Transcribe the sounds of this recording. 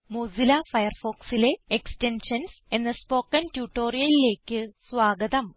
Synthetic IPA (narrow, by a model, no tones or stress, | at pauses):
moːzilɐfɐjɐrfo̞ːksile̞ekste̞nʂɐns | e̞nːɐspo̞ːkːɐntjuːʈːo̞ːrijɐlile̞ːkʲːɨsʋaːɡɐd̪ɐm